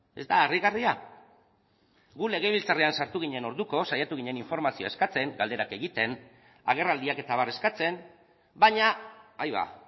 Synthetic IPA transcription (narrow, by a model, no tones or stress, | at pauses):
e̞̰zd̪aːriɣaria | ɡule̞ɣ̞eβilt͡sareansaɾt̪uɣ̞iɲe̞no̞ɾðuko̞sajat̪uɣiɲeniɱfo̞ɾmasioae̞skat͡se̞ŋɡald̪e̞ɾakeɣit̪e̞n | a̰ɣ̞e̞rald̪iake̞t̪aβ̞are̞skat͡se̞m | baɲaajβa̰